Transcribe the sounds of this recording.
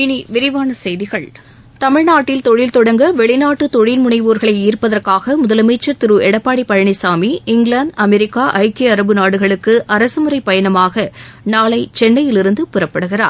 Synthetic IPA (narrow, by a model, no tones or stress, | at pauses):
ɪniʋɪɾɪʋaːnɐsɛjðɪɣɐɭ | t̪ɐmɪɻnaːʈːɪlt̪ɔɻɪlt̪ɔɽɐŋɡɐʋɛɭɪnaːʈːɯt̪ɔɻɪlmʊɳɐɪʋuːɾɣɐɭɐɪiːrpɐðɐrkaːɣɐmʊðɐlɐmɐɪt͡ʃːɐɾt̪ɪɾɯɛɽɐpːaːɽipːɐɻɐɳɐɪsaːmiɪŋɡɭaɳɖɐmɛɾɪkːaːʔɐɪkeɐɾɐbɯnaːɽɯɣɐɭɯkːɯʔɐɾɐsɯmɯrɐɪpːɐjɐnɐmaːɣɐnaːɭɐɪt͡ʃɛnːɐjɪlɪɾɯnd̪ɯpʊɾɐpːɐɽɯɣɪra̰ːɾ